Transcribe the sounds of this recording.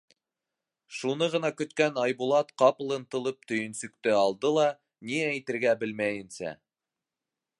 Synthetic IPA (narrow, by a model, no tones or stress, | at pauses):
ʃunɤʁɤ̆nɑkɵ̆t̪kænɑjbulˠɑt̪qɑpɤ̆lˠɤ̆nt̪ɤ̆lˠɤp̚t̪ɵ̆jɵ̆nsɵ̆kt̪ɘɑlˠd̪ɤlˠɑ | niææjt̪ɘ̆ɾɡæbɘlmæjɘ̆nsæ̰